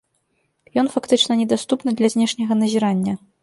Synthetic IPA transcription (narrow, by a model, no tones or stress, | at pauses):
jɔnfakt̪ɨt͡ʂnɐnʲɛd̪ast̪upnɨd̪lʲɐzʲnʲɛʂnʲɐɣɐnɐzʲiɾanʲːɐ